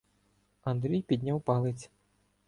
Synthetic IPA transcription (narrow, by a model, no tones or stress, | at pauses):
ɐnd̪ɾʲijpʲid̪ʲnʲawpɐlˠɪt͡sʲ